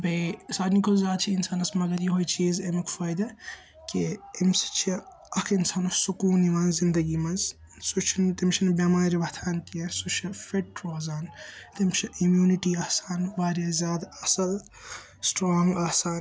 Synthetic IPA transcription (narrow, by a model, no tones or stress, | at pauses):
bɐsaːd̪nikozaːd̪t͡ʃʰiːnsaːnɐsmɐɡɐɾjiɦoːjt͡ʃʰiːzemɐkʰfaːjd̪ɐ | keimsɐ̥t͡ʃʰ | ɐkʰinsaːnɐsukuːnimɐnzzind̪ɐɡiːmɐnz | sut͡ʃʰint̪imt͡ʃʰɐnbʲaːmaːnɾɐʋɐt̪ʰaːnkiɐsut͡ʃʰɐfeʈ̚ʈɾoːzaːnt̪ɐmt͡ʃʰɐʔimjuːniʈiːaːhsaːnʋaːɾjɐzʲaːd̪ɐsɐl | sʈɾoːŋɡaːsaːn